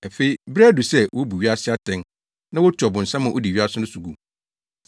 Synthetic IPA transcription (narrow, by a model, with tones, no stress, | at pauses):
æ˨fe˦i˦bɾɛ˦du˨sɛ˦wʔo˦bu˨ɥi˦a˦sɪ˦a˦tʰɛ̃˨˦n | nã˦wɔ˦tʰɔ˨bʊ̃˨n̩˨sã˦mã˨ʔo˦di˨ɥi˦a˦sʊ˦nʊ̃˦su˨ɡu˨